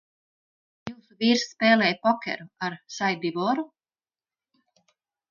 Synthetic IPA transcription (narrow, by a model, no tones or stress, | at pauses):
juːsuviːɾspɛːlˠɛjpɔkʲɛ̰ɾuaɾʃajd̪ivɔɾu